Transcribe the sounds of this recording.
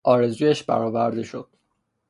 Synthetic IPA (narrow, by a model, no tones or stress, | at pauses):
ʔɒːɾe̞zuːjeʃbæ̰ɾɒːvæɾd̪eʃod̪̥